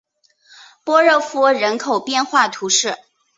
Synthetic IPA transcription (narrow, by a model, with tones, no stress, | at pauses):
pwɔ˥ɻɤ˥˩fu˥ɻə˧˥nkʰo˨˩ʊpjɛ˥˧nxwa˥˩t̪ʰu˧˥ʂɻ̩˥˩